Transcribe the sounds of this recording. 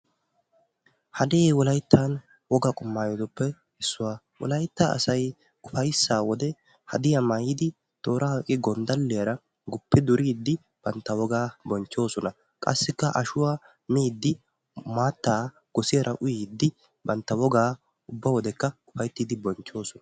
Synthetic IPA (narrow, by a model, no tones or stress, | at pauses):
hɐd̪eːwɔlɐjt̪ʰːan | wɔɡakʼʊmːaːjɔd̪ɔpːɛ | hɛsːʊwaː | wɔ̰lɐjt̪ːaɐ̰sɐj | kʼʊfɐjsːaːwɔd̪ɛ | hɐ̰d̪ɪjɐmɐjiːd̪ɪ | t̪ʼo̞ːɾahkʼɪɡɔnd̪ɐlːɪjɐɾɐ | ɡʊpːɪd̪ʊɾʔiːd̪ːɪ | b̥ɐnt̪ːɐwɔɡaːbɔnt͡ʃːo̞ːsɔnɐ | kʼɐ̰sːɪkːɐʔɐʃʊwaː | miːd̪ːɪ | maːt̪ːaː | ɡ̥ɔsɪjɐɾʔɐʔʊjiːd̪ːɪ | bɐnt̪ːɐwɔɡaː | ʊbːɐwɔd̪ɛkːɐkʼʊfɐjt̪ːiːd̪ɪbɔnt͡ʃːo̞ːsɔnɐ